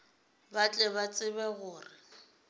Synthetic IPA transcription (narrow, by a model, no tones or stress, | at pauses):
bat͡ɬʼɛβat͡sʼɪbɛɣʊːrɪ